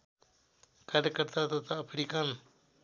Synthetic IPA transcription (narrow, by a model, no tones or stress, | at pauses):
kaɾjəkəɾt̪at̪ɔt̪aːpʰɽikan